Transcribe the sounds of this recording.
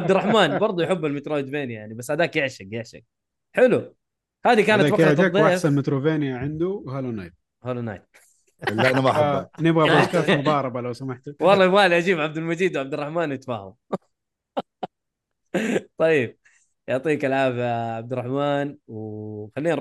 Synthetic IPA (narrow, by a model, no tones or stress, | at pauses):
ab̚d̪ɪrˤːɑħmaːnbɑɾˤd̪ˤʊjħɪbːalmɪt̪ɾoːd̪veːnjajaʕnibasːhad̪aːkjɪʕʃɪɡjɪʕʃɪ̰ɡ̚ | ħɪlu | haːðikaːnat̪ɑaˤeasanmɪt̪ɾoveːnjaʕɪnd̪uwhalonajt̪̚ | halona̰ːjt̪̚ | laʔnmaħanɪbɣaskaːt̪mʊb̪ɑːɾˤɑbalawsamaħt̪wɑlˤːɑːmaːliʔad͡ʒiːbʕab̚d̪almad͡ʒiːd̪wʕab̚d̪ɪrˤːɑħmaːnjɪt̪fa̰ːha̰m | t̪ˤɑjb̚ | jʊʕt̪ˤiːkalʕaːfʕab̚d̪ɪɾˤːɑħmaːnwxalːiːn